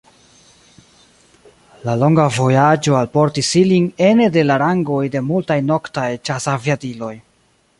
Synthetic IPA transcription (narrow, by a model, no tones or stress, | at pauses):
lalo̞ŋɡavo̞jad͡ʒo̞alpo̞ɾtisiliŋe̞nede̞laɾaŋɡo̞jde̞multajno̞ktajt͡ʃasaviatilo̞j